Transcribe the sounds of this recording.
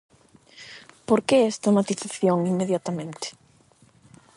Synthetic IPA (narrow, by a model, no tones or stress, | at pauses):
poɾkeɛst̪amat̪iθaθjõŋiŋmeðjat̪amẽnt̪ɪ̥